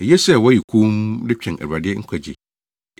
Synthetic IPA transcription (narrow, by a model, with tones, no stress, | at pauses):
e˨je˦sɛ˦˨wɔ˦ji˨kʰũ˦mdɪ˦t͡ɕᶣʰɛ̃˨næ̰˨ba˨dɪ˦ŋ̩˦kʷʰa˨d͡ʑḭ˨